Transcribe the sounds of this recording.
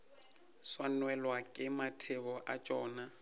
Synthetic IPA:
swanwɛlwakʼɪmatʰɪbɔʔa̰t͡ʃʼɔːna

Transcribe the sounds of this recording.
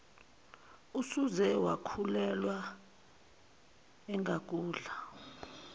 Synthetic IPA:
usuzɛwakʰulɛlwa | ɛŋɡʱak̬ʼuːɮa

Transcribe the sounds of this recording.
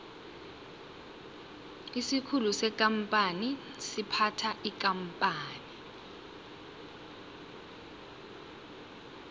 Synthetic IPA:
isikʰulusɛkʼampʼani | sipʰatʰaʔikʼampʼaːni

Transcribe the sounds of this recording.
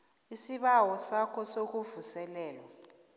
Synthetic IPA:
isiɓawɔsakʰɔsok̬uvusɛlɛːlwɔ

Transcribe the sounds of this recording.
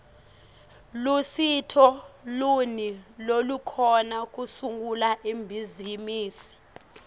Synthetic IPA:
lusitʰɔlunilolukʰɔnak̬usuŋulaʔimbʱizimiːsi̥

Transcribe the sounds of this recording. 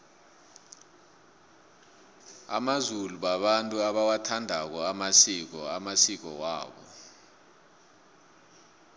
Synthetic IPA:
a̰mazuluɓaɓantʼuaɓawatʰandʱak̬ɔamasik̬ɔamasik̬ɔ̰wa̰ːɓɔ̰

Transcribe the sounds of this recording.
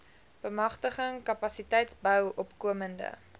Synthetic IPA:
b̥əmɐχtəχəŋkɐpɐsitɛjtsbœwʔɔpkuəməndə̰

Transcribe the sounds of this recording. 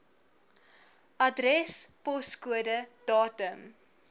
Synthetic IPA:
ʔɐdrɛspɔskuədəd̥ɑːtəm

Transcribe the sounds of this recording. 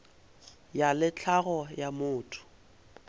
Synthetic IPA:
jalɪt͡ɬʰaɣɔjamʊːtʰʊ̥

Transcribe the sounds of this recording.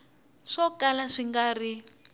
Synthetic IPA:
ʂɔkalaʂiŋɡaːri

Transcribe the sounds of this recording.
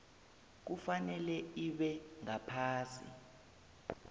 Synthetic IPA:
k̬ufanɛlɛiɓɛŋapʰaːsḭ

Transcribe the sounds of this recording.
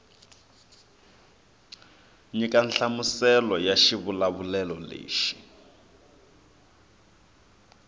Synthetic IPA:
ɲikanɬamusɛlɔjaʃiβulaβulɛlɔlḛːʃi̥

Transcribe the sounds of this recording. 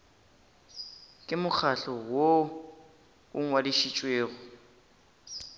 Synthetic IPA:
kʼɪmʊk͡xʰaɬɔwo | ʊŋ̩wadiʃit͡ʃʼweːɣɔ

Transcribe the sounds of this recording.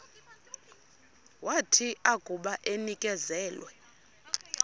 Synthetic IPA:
watʰiaɡ̥ʱʼuɓaʔenikʼɛzɛːlwɛ

